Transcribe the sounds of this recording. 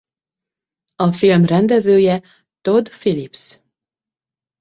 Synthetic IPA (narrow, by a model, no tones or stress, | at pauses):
ɒfilmrɛnd̪ɛzøːjɛ | t̪o̞d̪filips